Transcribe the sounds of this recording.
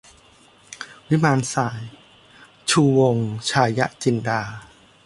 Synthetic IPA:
wi˦˥maː˧nsaː˩˦j | t͡ɕʰuː˧wo˧ŋt͡ɕʰaː˧ja˦˥ʔt͡ɕi˧ndaː˧

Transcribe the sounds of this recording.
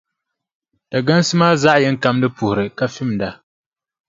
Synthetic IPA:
d̥a˨ɡa˦n˦sɨ˦maː˦za˦ʔjɛ˦ŋ˦ka˦mdɨ˦pu˨hʊ˨ɾɨ˨ka˨fi˦mda˨

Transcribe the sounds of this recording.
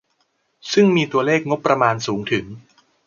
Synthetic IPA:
sɯ˥˩ŋmiː˧t̪u˧ɐleː˥˩k̚ŋo˦˥pːɾa˧maː˧nsuː˩˦ŋt̪ʰɯ˩˦ŋ

